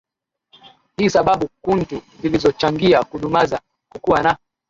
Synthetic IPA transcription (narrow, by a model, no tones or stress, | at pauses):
hisaɓaɓukuntuzilizɔt͡ʃaŋɡiakuɗumaza | kukuwana